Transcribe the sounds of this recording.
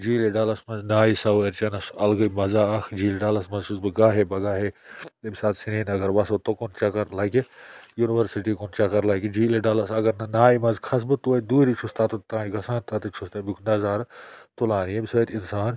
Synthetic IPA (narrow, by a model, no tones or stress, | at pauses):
d͡ʒiːleɖaːlɐsmɐnznaːisɐeɾt͡ʃɐnɐsɐlɡɐmɐzaːɐkʰd͡ʒiːleɖaːlɐsmɐzt͡ʃʰusbɨɡaːɦebɐɡaːɦet̪ebisaːt̪sineːnɐɡɐɾʋɐsot̪okont͡ʃɐkɐɾlɐkijuːniʋɐɾsiʈiːkont͡ʃɐkɐɾlɐkid͡ʒiːleɖaːlɐsɐɡɐɾnnaːimɐnzkʰɐs̬bɨt̪uɐt̪̚d̪uːɾit͡ʃʰust̪at̪ut̪ãːiɡɐsãːnt̪at̪ɨt͡ʃʰust̪ɐbikʰnɐzaːɾt̪ulaːnjebisɐt̪insaːn